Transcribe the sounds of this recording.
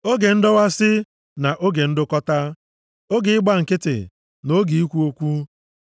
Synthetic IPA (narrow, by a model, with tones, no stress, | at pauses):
o˦ɡe˨n̩˦dɔ˦wa˦sɪ˦ | na˨ʔo˦ɡe˨n̩˦dʊ˦kɔ˦ta˦ | o˦ɡɪ˨ɪ˦ɡ͡ba˦˨ŋ̩˨kɪ˦tɪ̰˨ | no˦ɡi˨i˦kʷu˦o˦kʷu˦